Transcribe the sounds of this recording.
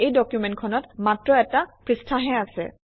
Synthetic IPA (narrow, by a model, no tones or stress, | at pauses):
ejdɔkjumɛntkʰɔnɔtmatɹɔɛtapɹistʰaɦɛasɛ̰